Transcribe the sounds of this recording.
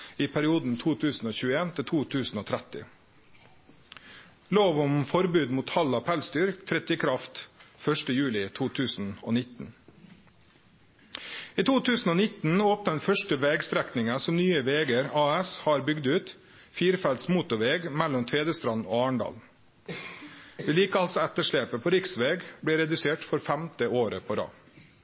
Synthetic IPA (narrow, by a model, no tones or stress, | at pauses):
iːpʰæɾɪuːd̪n̩t̪ʰuːt̪ʰʉːsn̩oːçʉːeːnt̪ʰɪlt̪ʰuːt̪ʰʉːsn̩oːt̪ʰɾɛt̪ɪ̰ | loːʋʊmfɔɾbʉːd̪muːt̪hɑlːɑpʰɛlst̪ʏːɾkt̪ʰɾɛt̪jəkʰɾɑft̪fœʂʈəjʉːlɪt̪ʰuːt̪ʰʉːsn̩o̰ːnɪt̪n̩ | iːt̪ʰuːt̪ʰʉːsn̩oːnɪt̪n̩oːpnəd̪ɛnfœʂʈəʋɛːɡst̪ɾæknɪŋəsɔmnyːəʋeːɡəɾɑːɛshɑːɾbʏɡd̪ʉːt̪ | fiːɾfælt̪smuːt̪ʊʋeːɡmælːɔmt̪ʰeːd̪əst̪ɾɑno̰ːɑːɳɖɑ̰ːl | ʋeːliːkəɑlsɔɛt̪əʂɭeːpəpʰoːɾɪksʋeːɡbɽeːɾɛd̪ʉseːʈfɔɾfæmt̪əoːɾə̰pʰoːɾɑ̰ː